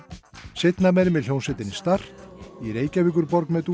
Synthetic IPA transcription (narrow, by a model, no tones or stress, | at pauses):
sejt̪namɛɾɪmɪðl̥jownsɛt̪ɪnist̪ar̥iɾeːjcavɪk̬ʏɾpɔɾknmɛt̪u